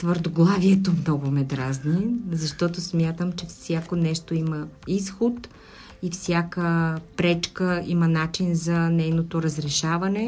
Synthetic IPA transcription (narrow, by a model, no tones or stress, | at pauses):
t̪vəɾd̪oɡlˠaviɛt̪omnɔɡʊmɛd̪ɾaznizɐʃt̪ɔt̪osmʲjat̪əmt͡ʃɛfsʲjakonɛʃt̪oimɐisxot̪ | ifsʲjakəpɾɛt͡ʃkəimɐnat͡ʃinzɐnɛjnot̪oɾɐzɾɛʃavɐnɛ